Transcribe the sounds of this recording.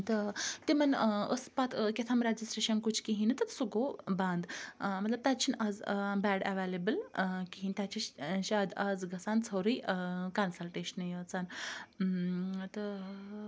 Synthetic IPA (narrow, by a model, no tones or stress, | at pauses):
t̪ət̪emɐnə̰spat̪ʰkʲet̪ʰaːmɾad͡ʒisʈɾeʃɐnkut͡ʃʰkiɦĩnt̪ɐt̪suɡobãnd̪mɐt̪lɐb̚t̪at̪t͡ʃʰinad͡zbɛːɖɛʋelebəlkiɦint̪ʲat͡ʃiʃaːd̪ad͡zɡɐsaːnt͡sʰɐwɾiːkansɐlʈeːʃənjət͡san | t̪ə